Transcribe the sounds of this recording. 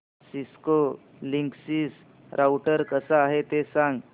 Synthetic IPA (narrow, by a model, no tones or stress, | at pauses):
sisko | liŋksis | ɾʔawʈəɾkəsaːɦet̪esãŋɡ